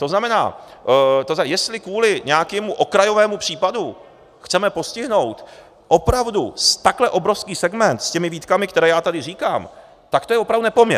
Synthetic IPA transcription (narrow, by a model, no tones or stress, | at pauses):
t̪oznamɛna̰ː | t̪ozjɛst̪lɪkvuːlɪɲɛjakɛːmuʔo̞kɾajo̞vɛːmupr̝̥iːpadu | xt͡sɛmɛpo̞scɪɦno̞wt̪ | ʔo̞pɾavdust̪aklɛʔo̞bɾo̞fskiːsɛɡmɛnt̪scɛmɪviːt̪kamɪkt̪ɛɾɛːjaːt̪adɪriːkaːm | t̪akt̪ojɛvopɾavdunɛpomɲɛ